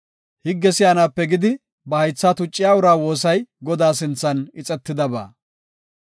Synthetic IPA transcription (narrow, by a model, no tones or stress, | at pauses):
hɪɡːɛsɪjaːnaːpːɛɡɪd̪ɪ | bɐhɐjt͡sːaːt̪ʊt͡ʃʼːɪjaːʊɾaːwo̞ːs̬ɐjɡɔd̪aːs̬ɪnt͡sːɐnɪt͡sʼɛt̪ːɪd̪ɐba̰ː